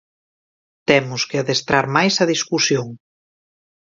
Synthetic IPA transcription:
t̪ɛmʊskɪaðest̪ɾaɾmajsɐðiskusjoŋ

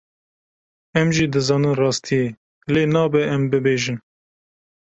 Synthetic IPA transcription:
ɛmʒiːd̪ɨzɑːnɨnrɑːst̪ʰije | leːnɑːbɛʔɛmbɨbeːʒɨn

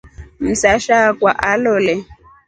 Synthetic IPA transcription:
m̩saʃakwa̰ʔalɔlɛ

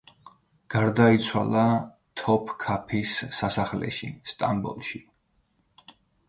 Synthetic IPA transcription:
ɡ̥aɾd̪ait̪sʰwa̰lˠa | t̪ʰɔpʰkʰapʰisːasaχlɛ̰ʃḭst̪ʼambɔ̰lˠʃi

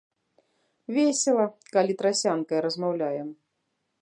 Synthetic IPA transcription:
vʲesʲɛlˠɐkalʲit̪ɾasʲankɐjɾɐzmawlʲajɛm

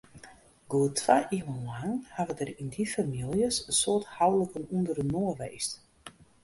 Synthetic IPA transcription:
ɡ̥uətʰʋaʔimuaŋhaʋədərindifamilˠjəsəsoəthawdləkənundərənoəʋeːst

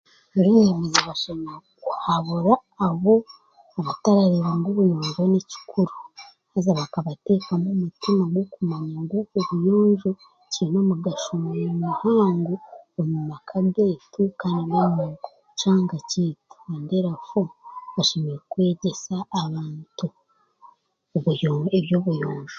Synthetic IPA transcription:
ɾiemezaβaʃemeɾekuhaβuɾaːβo̞ | aβataɾaɾiɾaŋɡoβujoːɲd͡ʒoneci̥kʰuɾu | hazaβakaβate̞ːkamumutimaɡwokumaɲaŋɡoːβujoːɲʒo | ciinomuɡaʃumɾumuhaːŋɡuomumakʰaɡeːtʰukaːndinamuɡo | t͡ʃaːŋɡaciːtu̥andeɾafoβaʃemeɾekwe̞ːɟe̞saːβaːntu | βujoeβjoβujoːɲʒo

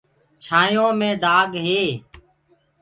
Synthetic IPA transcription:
t͡ʃʰaːjõːmẽːd̪aːɡɦeː

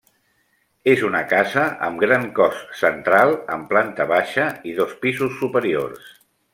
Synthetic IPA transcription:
ezunəkazəʔə̰mɡɾaŋkɔssənt̪ɾalˠə̰mplant̪əβaʃəiðospizusːupəɾio̰rs

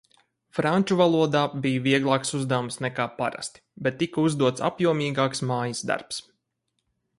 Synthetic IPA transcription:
fɾanʲt͡ʃuvalˠuɔd̪aːbijviɛɡlˠɑːksuzd̪æwumsnɛkaːpa̰ɾa̰st̪i̥bɛt̪ːikɐuzd̪uɔt̪sa̰pjuɔmʲiːɡaːksmaːjəsd̪a̰ɾps

